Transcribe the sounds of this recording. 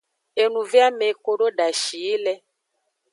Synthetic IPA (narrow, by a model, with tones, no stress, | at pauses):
e˨nũ˨vja˦me˨ko˦ɖo˦da˨ʃi˨˦lɛ˦